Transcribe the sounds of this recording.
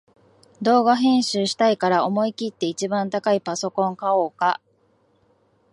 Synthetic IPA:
d̪o̞ːɡaɦẽ̞ɰ̃ɕɨːɕi̥t̪aikaɾao̞mo̞ikʲit̪ːe̞it͡ɕibãnt̪akaipaso̞kõ̞ŋkao̞ːka

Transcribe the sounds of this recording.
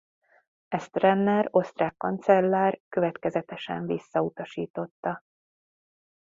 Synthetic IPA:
ɛst̪rɛnːɛɾo̞st̪raːkːɒnt̪sɛlːaːrkø̞vɛt̪kɛzɛt̪ɛʃɛ̰ɱvisːɒut̪ɒʃiːt̪o̞t̪ːɒ

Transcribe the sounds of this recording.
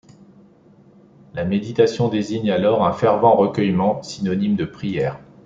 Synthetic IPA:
lamed̪it̪asjɔ̃d̪eziɲalɔʁɛ̃fɛʁvɑ̃ʁəkʲœjmɑ̃sinɔnimd̪əpχijɛːʁ

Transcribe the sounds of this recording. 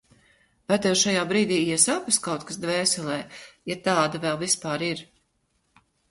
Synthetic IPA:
vat̪ɛwʃajaːbɾiːd̪iːiɛsapaskawt̪̚kasd̪vɛːsɛlˠɛːjat̪aːd̪avɛlˠvispaːɾiɾ

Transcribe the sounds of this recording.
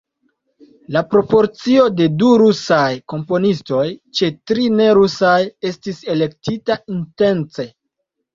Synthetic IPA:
lapɾo̞po̞ɾt͡sio̞de̞duɾusajko̞mpo̞nisto̞jt͡ʃe̞tɾine̞ɾusaje̞stise̞le̞ktitainte̞nt͡se̞

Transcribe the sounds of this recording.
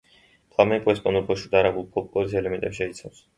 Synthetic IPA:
pʰlˠamɛkʼuɛspʼɔnd̪ɔɾpʰɔʃud̪aɾabulˠpʰɔp̚ʼkʼɔɾisɛlɛmɛnt̪ʼɛpsʃɛit̪sʰaws

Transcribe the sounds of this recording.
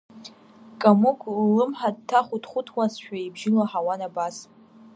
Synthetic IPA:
kʼamukʷʰlːɨmħad̚tʰaχʷʊtʰχʷʊtʰwasʃᶣaibʒɪlaħawanabas

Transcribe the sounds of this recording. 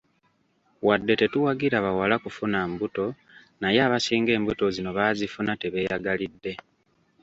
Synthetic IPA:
wadːe̞te̞tuwaɡiɾaβawalakufunambuto̞ | najeaːβasiːŋɡe̞ːmbuto̞zino̞βaːzifunate̞βe̞ːjaɡalidːe̞

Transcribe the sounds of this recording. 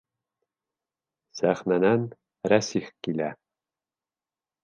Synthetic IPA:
sæχnænæn | ɾæsiχkilæ

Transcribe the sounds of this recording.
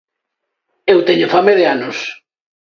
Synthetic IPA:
ewt̪eɲʊfameðeanʊs

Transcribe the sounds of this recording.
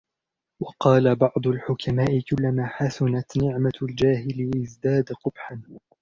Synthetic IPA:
wɑqɑːlabɑʕd̪ˤʊlħʊkʰamaːʔɪkʊlːamaːħasʊnat̪nɪʕmald͡ʒaːɦɪlɪʔɪzd̪aːd̪qʊbħan

